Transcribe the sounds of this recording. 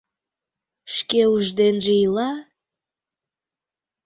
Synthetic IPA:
ʃkeuʒd̪enʒeilɑ

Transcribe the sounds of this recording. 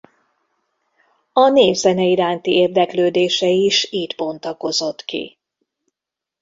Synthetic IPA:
ɒneːvzɛnɛiɾaːnt̪ieːrd̪ɛkløːd̪eːʃɛiʃiːt̪po̞nt̪ɒko̞zo̞t̪kḭ

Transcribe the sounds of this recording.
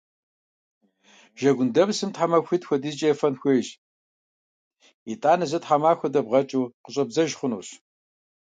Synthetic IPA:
ʒ̥ɐɡʷʊndɐbsɨmtħamɐxʷitxʷɔdizt͡ʃʼɐjfɐnxʷeːʒ | itʼaːnɐzɐtħamaːxʷɔdɐbʁɐt͡ʃʼuːqəɕʼɐbzɐʒχʷʊnṵːɕ

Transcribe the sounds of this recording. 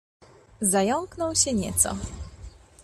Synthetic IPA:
zajɔŋknɔwɕɛɲɛ̰t̪sɔ̰

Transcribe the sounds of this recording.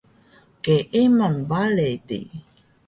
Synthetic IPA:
keʔimanbaletḭ

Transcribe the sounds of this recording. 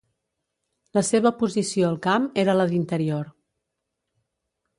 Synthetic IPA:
ləseβ̞əpuzisioəlˠkameɾələðint̪əɾioɾ

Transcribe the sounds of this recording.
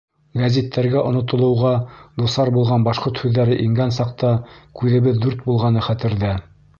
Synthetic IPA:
ɡæzʲit̪ʰːæɾɡæʔŏnŏt̪ŏlˠɤ̆wʁɑd̪usɑɾbulˠʁɑnbɑʃqoɾt̪hʉðːæɾɘʔiŋɡænsɑq̚t̪ɑkʉðɘ̆βɘðːʉɾt̪̚bulˠʁɑnɤχæt̪ɘ̆ɾðæ

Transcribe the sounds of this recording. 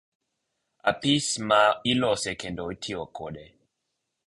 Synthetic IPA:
a̰pismailɔsɛkɛndɔitʰiɔkʰoɗɛ

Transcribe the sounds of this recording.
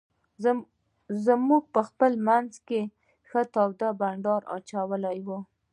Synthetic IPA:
zmuɡ̚pəxpəlmanzke | xət̪ɑwd̪abaɳɖɑɾɑ̰t͡ʃawəlajwu

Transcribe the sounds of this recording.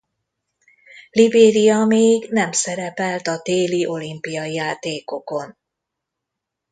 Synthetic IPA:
libeːɾijɒmeːɡnɛmsɛɾɛpɛlt̪ɒt̪eːliʔo̞limpijɒijaːt̪eːko̞ko̞n

